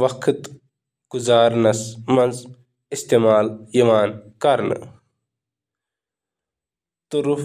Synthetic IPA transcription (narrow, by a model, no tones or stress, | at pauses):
ʋɐkʰt̪ | ɡ̥uzaːɾnɐsmɐnz | ist̪eːmaːljiʋaːnkɐɾnɨ̰ | t̪uɾu